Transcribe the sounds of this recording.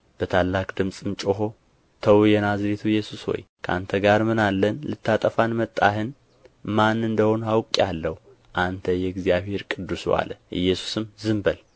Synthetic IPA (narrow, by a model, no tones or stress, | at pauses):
b̥ət̪ʰalːakʼd̪ɨmsʼɨmt͡ʃʼoɦo̞ | t̪ʰəwjɛnazɾet̪ʰujːɛsusho̰jkʰəʔa̰nt̪ʰəɡaɾmɨnalːənlɨt̪ʰːat̪ʼəfanmət̪ʼːahɨn | manɨnd̪əho̞nhawkʼːalːəhu | ʔant̪ʰəjɛɡzijaβhe̞ɾkʼɨd̪ːuswa̰ləʔɨ̰jːɛsu̥sɨmzɨmbəl